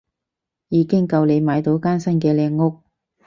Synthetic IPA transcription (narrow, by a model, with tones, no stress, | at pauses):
jiː˨˧kɪ˥ŋkɐ˧wle˨˧jmaː˨˧jt̪o˨˥wkaː˥nsɐ˥nkɛː˧lɛː˧ŋːʊ˥k̚